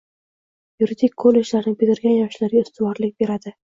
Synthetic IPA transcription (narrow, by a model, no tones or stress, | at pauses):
juɾid̪ɪkʲkʰːolːe̞d͡ʒlaɾnɪbɪd̪ʲɪɾɡʲanjɒʃlaɾɡʲaʊst̪ʰɪvɒɾlɪk̚ʲbe̞ɾad̪ɪ